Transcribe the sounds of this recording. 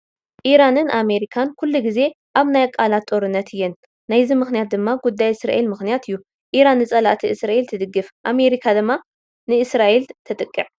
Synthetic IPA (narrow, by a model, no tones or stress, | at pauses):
ʔiɾanɨnʔame̞ɾikʰankʰulːuɡize̞ | ʔaβnajkʼːalat̪ʼːo̞ɾɨnːɐt̪ʰɨjːɛnː | ajzimɨxnijat̪̚d̪ɨmːaɡud̪ːajɨsɾa̰ʔe̞lmɨxnijat̪ɨjːu | ʔiɾanːɨt͡sʼɐlaʔt̪ʰiʔɨsɾaʔe̞lt̪ʰɨd̪ɨɡːɨfʔame̞ɾikʰad̪ɨmːa | nɨʔɨsɾaʔelt̪ʰɐt̪ʼɨkʼːɨʕ